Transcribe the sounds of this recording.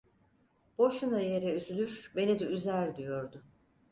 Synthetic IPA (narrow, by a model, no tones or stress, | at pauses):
b̥o̞ʃunaje̞ɾɛyzylʲyɾbe̞nid̪ɛyzæɾd̪ijo̞ɾd̪ʊ